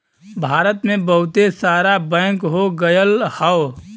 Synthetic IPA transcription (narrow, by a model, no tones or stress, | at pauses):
bʱaːɾət̪mẽbəɦʊt̪esaːɾabɛ̃ːŋkɦoɡəjəlhə